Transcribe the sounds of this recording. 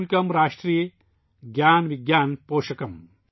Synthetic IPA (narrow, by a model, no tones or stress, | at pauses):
ikɐmɾaːʂʈɾij | ɡjaːnʋiɡjaːnpoːʃɐkɐm